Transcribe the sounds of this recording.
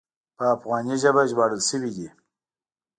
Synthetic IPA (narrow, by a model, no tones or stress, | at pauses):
pəafɣɑniʒabaʒbɑɽəlsəwid̪i